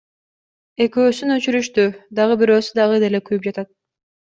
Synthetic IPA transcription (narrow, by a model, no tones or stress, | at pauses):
e̞køːsynøt͡ʃyɾyʃt̪yd̪ɑʁɯbiɾø̞ːsyd̪ɑʁɯd̪e̞le̞kyjyp̚d͡ʒɑt̪ɑt̪̚